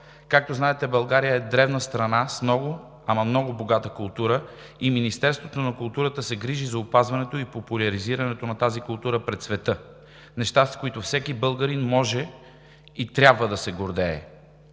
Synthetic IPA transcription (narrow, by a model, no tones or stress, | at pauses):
kak̚t̪oznaɛt̪ɛbɐlˠɡaɾijəɛd̪ɾɛvnəst̪ɾɐnasmnɔɡʊ | amɐmnɔɡʊboɡat̪əkʊlˠt̪uɾə | iminist̪ɛɾst̪vot̪onɐkʊlˠt̪uɾət̪əsɛɡɾiʒizɐʊpazvɐnɛt̪oipopʊlʲɐɾiziɾɐnɛt̪onɐt̪azikʊlˠt̪uɾəpɾɛt̪svɛt̪ɤ | nɛʃt̪askoit̪ofsɛkibɤlˠɡəɾinmɔʒɛ | it̪ɾʲjabvəd̪ɐsɛɡoɾd̪ɛː